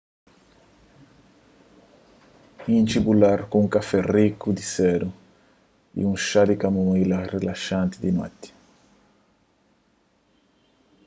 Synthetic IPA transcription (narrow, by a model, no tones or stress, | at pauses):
ĩnt͡ʃibulaɾkuũŋkafɛrikud̪isɛɾu | ḭũŋʃad̪ikamuilɐrelaʃãnt̪id̪ima̰t̪ːi̥